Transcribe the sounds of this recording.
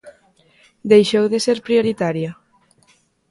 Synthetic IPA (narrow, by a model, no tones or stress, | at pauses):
d̪ejʃowðeseɾpɾijoɾit̪aɾja